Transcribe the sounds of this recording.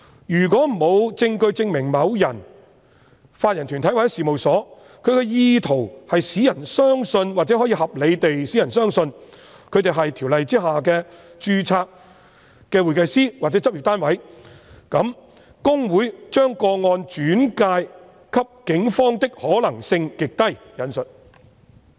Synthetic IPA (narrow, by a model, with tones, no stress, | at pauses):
jyː˨˩k̬wɔː˨˥m̩˨˩mo˨˧wt͡sɪ˧ŋkɵ˧ɥt͡sɪ˧ŋmɪ˨˩ŋmɐ˨˧wjɐ˨˩n | faː˧t̚jɐ˨˩nt̪ʰyː˨˩ntʰɐ˨˥jwaː˨˩jɛ˥siː˨mo˨˩wsɔː˨˥ | kʰɵ˨˧ɥkɛ˧jiː˧t̪ʰo˨˩whɐ˨jsiː˨˥jɐ˨˩nsœː˥ŋsɵ˧nwaː˨˩t͡sɛː˨˥ɦɔ˨˥jiː˧˥hɐ˨p̚le˨˧jt̪e˨jsiː˨˥jɐ˨˩nsœː˥ŋsɵ˧n | kʰɵ˨˧ɥt̪e˨jɦɐ˨jt̪ʰi˨˩wlɐ˨jt͡siː˥ɦaː˨kɛː˧t͡ʃyː˧t͡sʰaː˧k̚ | kːɛː˧wu˨˩kɐ˧jsiː˥waː˨k̚t͡sɛ˨˥t͡sɐ˥p̚ji˨t̪aː˥nwɐ˨˥jkɐ˨˥m | kʊ˥ŋwuː˨˥jt͡ʃœː˥ŋkɔː˧ŋɔː˧nt͡ʃyː˨˥nkaː˧j | kʰɐ˥p̚kɪ˨˥ŋfɔː˥ŋt̪ɪ˥k̚hɔː˨˥lɐ˨˩ŋsɪ˧ŋkɪ˨k̚t̪ɐ˥j | jɐ˨˥nsɵ˨t̚